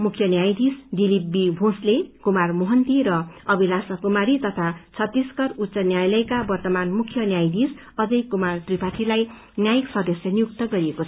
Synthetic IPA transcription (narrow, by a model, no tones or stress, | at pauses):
mukʰjʌnjajd̪isd̪ilip̚bibʱõslekumarmoɦʌnt̪iɾʌʌbilasʌkumaɾit̪ʌt̪ʰat͡sʰʌt̪ːiskʌrut̪ːsʌnjajlʌjkabʌrt̪ʌmanmukʰjʌnjajd̪is | ʌd͡zʌjkumart̪ripaʈʰilaj | njajiksʌd̪ʌsjʌnijuk̚t̪ʌɡʌɾiekot͡sʰʌ